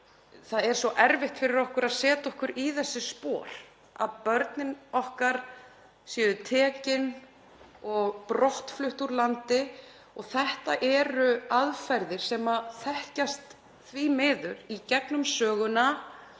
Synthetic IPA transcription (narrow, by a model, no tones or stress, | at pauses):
θaðɛɾ̥sɔʔɛɾvɪht̪fɪɾɪɾɔhkʏɾaðsɛːt̪aɔhkʏɾiθɛsːɪspɔːɾ̥ | a̰ðpœɾt̪nɪnɔhkaɾ̥ | sjɛːðʏt̪ʰɛːcɪn | ɔɣpɾɔht̪flʏht̪uɾlant̪ɪ | ɔɣθɛht̪aʔɛɾʏaðfajɾðɪɾ̥sɛːmaθɛhcast̪ | θvimɪːðʏɾicɛknʏmsœːɣʏna